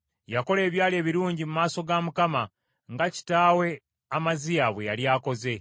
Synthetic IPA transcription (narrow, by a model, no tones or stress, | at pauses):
jako̞le̞ːβjaːle̞ːβiɾuːɲɟimumaːso̞ɡamukama | ŋɡaci̥taːwe̞ | amazijaβwe̞jaljaːko̞ze̞